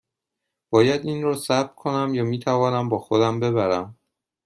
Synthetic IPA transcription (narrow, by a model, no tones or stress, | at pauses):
b̥ɒːjæd̪iːnrɒːsæb̚kʰo̞næmjɒːmiːt̪ʰævɒːnæmbɒːxo̞d̪æmbe̞βæɾæm